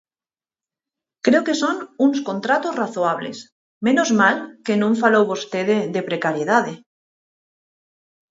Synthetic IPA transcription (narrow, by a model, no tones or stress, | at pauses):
kɾeoke̞sonunsko̞nt̪ɾat̪ozraθoaβlḛs | mẽnozmalkenũɱfalowβost̪eðeðepɾekaɾjeðaðe